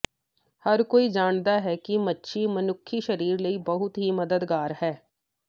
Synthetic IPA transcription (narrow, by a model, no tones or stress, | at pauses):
həɾkoːiːd͡ʒaːɳd̪aːɦɛːkɪmətːʃʰiːmənʊkʰːiːʃəɾiːɾləiːbəɦʊt̪ɦiːməd̪əd̪ɡaːɾhɛː